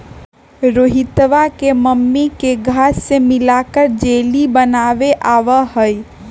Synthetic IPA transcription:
ɾoːɦit̪ʋakeməmːikeɡʱaːsːemɪlakəɾd͡ʒelibənaʋeʔaːʋəɦəj

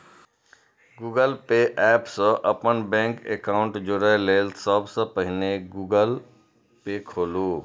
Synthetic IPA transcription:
ɡuːɡəlpeʔɛːpsə̃ʔəpənbɛ̃ŋkḛkaʊɳʈd͡ʒʊɽəleːlsəbsə̃pəɦɪneɡuɡəl | pekʰoːlu

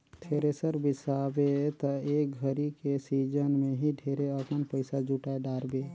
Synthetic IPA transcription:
t̪ʰeːɾesəɾbɪsaːbet̪əeːk̚ɡʱəɾikesiːd͡ʒənmẽɦiɖʱeːɾeəkənpəɪsad͡ʒuʈaeɖaːɾbeː

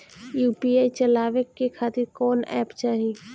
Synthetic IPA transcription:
juːpiaːit͡ʃɐlaːʋekːekʰaːt̪ɪɾkɔːnɛ̰ːpt͡ʃaːɦi

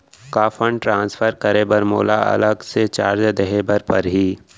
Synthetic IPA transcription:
kaːfʰəɳʈɾãːnsfʰəɾkəɾebəɾmo̰ːlaɐ̰ləɡset͡ʃaːɾd͡ʒd̪eɦebəɾpɐɾɦiː

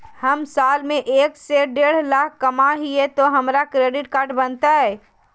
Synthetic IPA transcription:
həmsaːlmẽʔeːkseɖeːɽ̤laːk̚ʰkəmaɦiɛt̪oɦɐmɾakɾeːɖɪʈkaːɾʈbənt̪aɦɛː

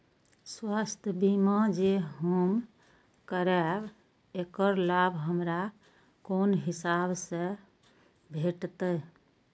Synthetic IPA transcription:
swast̪ʰjəbimãd͡ʒeɦom | kəɾɛb | ekəɾlabʱɦəmɾa | konɦisabsẽ | bʱeʈt̪ə

